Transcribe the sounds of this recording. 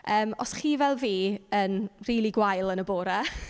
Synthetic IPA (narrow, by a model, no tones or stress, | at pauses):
əːmɔ̰sχiːvɛlˠviːənriːlˠiɡwajlˠənəboːɾa